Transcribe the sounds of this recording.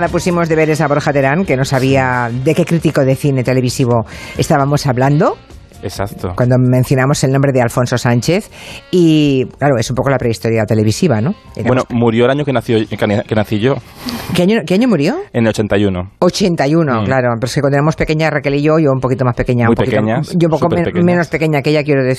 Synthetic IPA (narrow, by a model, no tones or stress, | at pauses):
aðapusimo̞zðe̞βe̞ɾesaβoɾxat̪e̞ɾaŋke̞no̞saβ̞iad̪e̞ke̞kɾit̪iko̞ðe̞θine̞t̪e̞le̞β̞isiβ̞o̞est̪aβamo̞saβland̪o̞ | esa̰kt̪okwand̪omẽ̞nθjonamo̞selnõmbɾe̞ðealfo̞nso̞sant͡ʃe̞θiklaɾo̞e̞sumpo̞ko̞lapɾe̞ist̪o̞ɾjat̪e̞le̞β̞isiβano̞ | ḛɾawemomuɾjoelaɲokenaθjokkenaθiʝo | keaɲokeaɲomuɾjo̞enelot͡ʃe̞nt̪ajunoot͡ʃe̞nt̪ajunoklaɾopeɾoeskekwand̪eemospe̞ke̞ɲarekeliʝo̞ʝoumpo̞kit̪o̞maspe̞ke̞ɲapoekikɲaʝoumpokomẽnospe̞ke̞ɲakeeʝakjeɾoðe